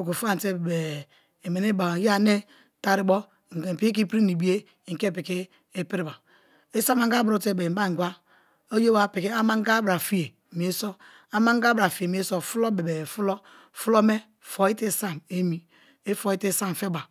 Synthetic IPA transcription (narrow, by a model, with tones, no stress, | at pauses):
o˨ko˨fa˦˨n˨te˦bbe˨ | e˨me˨ne˦ba˨ja˦ne˦ | ta˦ɾi˦bɔ˦˨ | ŋ̩˨ke˨pi˦i˦k̬i˦pɾi˦ni˨bi˦e˦˨ | ŋ̩˨ke˦˨pi˨ki˦ | e˦pi˦ɾi˦ba˨ | e˦sa˦ma˦ŋɡa˦bɾo˨te˦˨be˨˦ba˦˨ŋ˨ɡʷa˦ | o˦jo˦ba˦˨pi˨ki˦a˦ma˦ŋ˦ɡa˦bɾa˨fi˦e˨mi˨e˦so˦ | a˦ma˦ŋ˦a˦bɾa˨fi˨e˨m˨˦e˦so˦fu˦lo˦be˨be˨fu˦lo˦ | fu˦lo˦me˦ | fo˨i˦te˦sa˦˨me˦mi˨ | e˦fo˨i˦te˦sa˦˨m˨fe˦ba˨